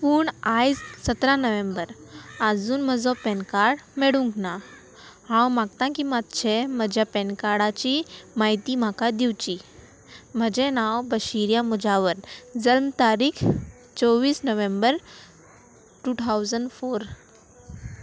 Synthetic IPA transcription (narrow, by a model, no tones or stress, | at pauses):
puːɳajd͡zsət̪ɾãnəʋẽmbəɾad͡zuːnm̤əd͡zɔpɛnkaɾɽmeɽũŋkna | ɦãwmaɡ̚t̪ãkimat̪t͡ɕʰem̤əd͡ʑʱjapɛnkaɽat͡ɕimaɦit̪im̤akad̪iwt͡ɕi | m̤əd͡ʑenãwbəɕiɾjãmud͡ʑaʋəɾd͡zəlmt̪aɾiːkʰ | t͡sɔʋiːsnəʋẽmbəɾ | ʈuːt̪ʰawd͡zəɳɖfoɾ